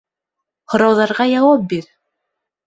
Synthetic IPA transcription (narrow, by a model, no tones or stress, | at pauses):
hŏɾɑwðɑɾʁɑjɑwɑp̚biɾ